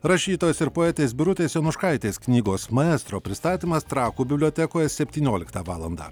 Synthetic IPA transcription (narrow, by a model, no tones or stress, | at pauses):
ɾɐʃʲiːt̪oːjɛsɪɾpoːɛːt̪ʲeːsbʲɪɾʊt̪ʲeːsjʲɛnʊʃkɐɪt̪ʲeːsknʲiːɡoːsmɐɛːst̪ɾoːpʲɾʲɪst̪ɑːt̪ʲiːmɐst̪ɾɑːkuːbʲɪbʲlʲoːt̪ʲɛkoːjɛsʲɛpʲt̪ʲiːnʲoːlʲɪkt̪ɑʋɑːlˠɐnd̪ɑ̰ː